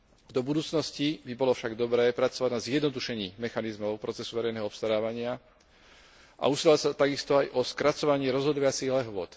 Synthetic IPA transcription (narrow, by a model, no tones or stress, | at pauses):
d̪ɔbud̪uːt͡snɔscibibɔlɔfʃaɡd̪ɔbɾɛːpɾat͡sɔʋaɟnazjɛd̪nɔd̪uʃɛɲiːmɛxanizmɔʊpɾɔt͡sɛsuʋɛɾɛjnɛːɦɔɔpst̪aɾaːʋaɲɪa | ʔa̰usilacsat̪aɡist̪ɔajʔɔskɾat͡sɔʋaɲɪɛɾɔzɦɔd̪ɔʋat͡siɦlɛɦʋʊɔ̰t̪